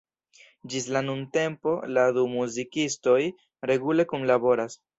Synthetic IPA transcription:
d͡ʒislanunte̞mpo̞ladumuzikisto̞j | ɾe̞ɡule̞kunlabo̞ɾas

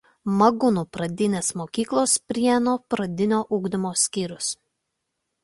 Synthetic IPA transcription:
mɐɡʊnuːpɾɐd̪ʲɪnʲeːsmoːkʲiːklˠoːspʲɾʲiɛnoːpɾɐd̪ʲɪnʲoːʔʊːɡd̪ʲɪmoːsʲkʲiːɾʲʊs

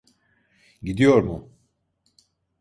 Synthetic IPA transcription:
ɟid̪ijo̞ɾmʊ

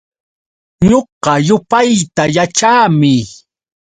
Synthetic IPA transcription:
ɲoɢɑjʊpajt̪ajat͡ʃaːmɪ

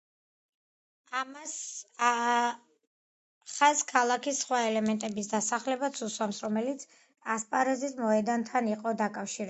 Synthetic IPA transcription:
amas | χazkʰalˠakʰisːχwaɛlɛmɛnt̪ʼɛbisd̪asaχlɛbat̪sʰuswamsɾɔmɛlit̪sʰ | aspʼaɾɛzismɔɛd̪ant̪ʰaniqʼɔd̪akʼafʃiɾ

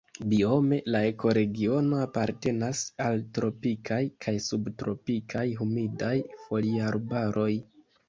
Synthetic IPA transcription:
bio̞me̞lae̞ko̞ɾe̞ɡio̞no̞apaɾte̞nasaltɾo̞pikʰajkʰajsubtɾo̞pikʰajɦumidajfo̞liaɾbaɾʔo̞j

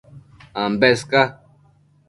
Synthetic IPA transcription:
ambɛska

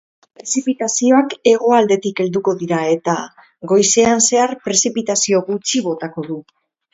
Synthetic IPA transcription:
pɾe̞sipit̪asio̞ake̞ɣ̞o̞ald̪e̞t̪ike̞ld̪uko̞ðiɾae̞t̪a | ɣo̞jse̞anse̞aɾpɾe̞sipit̪asio̞ɣut͡ʃiβ̞o̞t̪ako̞ðu

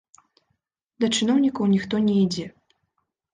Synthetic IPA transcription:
d̪ɐt͡ʂɨnɔwnʲikɐwnʲixt̪ɔnʲɛid͡zʲɛ

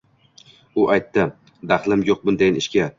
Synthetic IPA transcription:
ʊʔajt̪ːɪ | d̪aχlˠɪmjoq̚bʊnd̪ajnɪʃkʲa

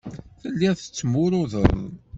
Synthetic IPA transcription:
θəlːiθə̥t͡sːmʊɾʊðə̰ɾˤ

